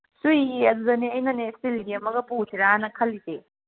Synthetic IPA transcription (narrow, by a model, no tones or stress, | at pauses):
sujɐdudɐniɐjnɐnesilɡiɐmɐɡɐpusʰiɾaanɐkʰɐlːite